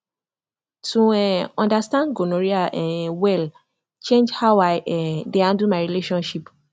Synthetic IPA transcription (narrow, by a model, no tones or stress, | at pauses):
tʰuɛɔ̃ndastãndɡonɔɹiaʔɛ̃wɛl | t͡ʃẽnd͡ʒhaʊaɪʔɛdeãndumaɪɹileʃɔ̃nʃip